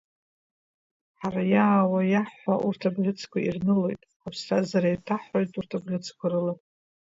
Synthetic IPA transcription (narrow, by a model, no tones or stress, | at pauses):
ħaɾajaːwajaħʷaʔurtʰabʁʲɪt͡sʰkʷʰairnɨlo̞jtʼ | apʰsrazaɾajtʰaħojtʼurtʰabʁʲɪt͡sʰkʷʰarɨla